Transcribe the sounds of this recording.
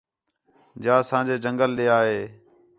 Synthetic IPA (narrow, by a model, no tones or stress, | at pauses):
d͡ʒaːsãːd͡ʒeːd͡ʒəŋɡəlɗeːaːɦeː